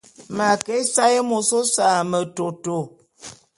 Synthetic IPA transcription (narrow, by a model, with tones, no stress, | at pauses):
ma˨ke˦sa˦jə˦mo˨so˦sa˨mə˨to˨to˨